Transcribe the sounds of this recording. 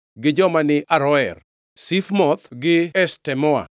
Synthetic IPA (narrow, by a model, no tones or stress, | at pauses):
ɡɪd͡ʒɔmanɪʔaɾɔɛr | sifmɔt̪ɡɪɛstɛmɔa̰